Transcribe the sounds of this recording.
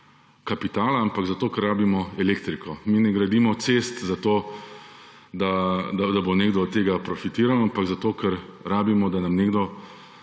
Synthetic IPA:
kapit̪aːlaampaɡzat̪oːkɛɾːaːbimɔɛleːkt̪ɾikɔminɛɡɾad̪iːmɔt̪seːst̪zat̪oː | d̪ad̪ad̪aboneːɡd̪ɔt̪eːɡapɾɔfit̪iːɾalampaɡzat̪oːkɛɾɾaːbimɔd̪anamneːɡd̪ɔ

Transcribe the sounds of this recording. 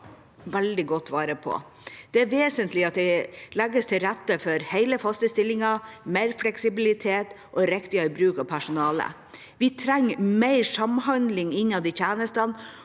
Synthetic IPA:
ʋæld̪ɪɡɔt̪ːʋɑːɾəpʰɔ̰ | d̪̥ɛæɾʋeːsənt̪lɪɑt̪̚d̪ɛɪlɛɡəst̪ʰɪlɾæt̪ːəfɔɾheɪləfɑst̪əst̪ɪlːɪŋɑmeɪɾflɛksɪbɪlɪt̪ʰeːt̪ | ʔɔɾɛkt̪ɪɑɾbɾʉːkɑʋpʰæʂʊnɑːlə̰ | ʋɪt̪ʰɾɛŋːmeɪɾsɑmɦɑnd̪lɪŋɪnːɑʋd̪ɪçʰæːnəst̪ɑn

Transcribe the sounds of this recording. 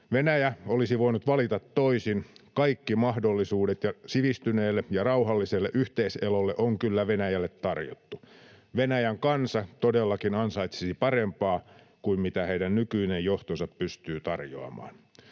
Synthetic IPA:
ʋenæjæolisiʋoinut̪ʋɑlit̪ɑt̪ːoisinkɑikːimɑhdolːisuːdet̪jɑsiʋist̪yneːlːejɑrɑuhɑlːiselːeʔyht̪eiselolːeʔoŋkylːæʋenæjælːet̪tɑrjo̰t̪ːu | ʋenæjæŋkɑnsɑt̪odelːɑkinɑnsɑit̪sisipɑrempɑː | kuimmit̪æheiɾænnykyinejjoht̪osɑppyst̪yːt̪ɑrjo̰ɑ̰mɑ̰ːn

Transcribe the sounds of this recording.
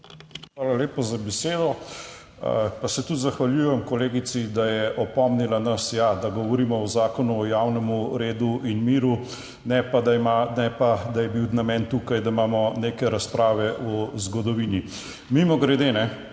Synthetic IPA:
xʋaːlaleːpazabɛseːd̪ɔ | ə̰pasɛt̪ut̪zaxʋaljujɛmkɔleːɡit̪sid̪ajɛʔɔpɔmnilanɐsjad̪aɡɔʋɔɾiːmɔɔzaːkɔnuɔjawnɛmuɾeːd̪uʔinmiːɾu | nɛpad̪amanɛpad̪ajɛbiwnamɛnt̪ukajd̪aimaːmɔneːkɛɾaspɾaːʋɛʔɔzɡɔd̪ɔʋini | mimɔɡɾɛd̪eːnɛ

